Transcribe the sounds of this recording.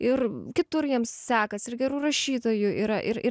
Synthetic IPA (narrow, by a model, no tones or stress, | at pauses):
ɪrkʲɪt̪ʊɾjiɛmssʲæːkɐsɪɾɡʲɛɾuːɾɐʃʲiːt̪oːjʊʔiɾɐʔɪɾɪ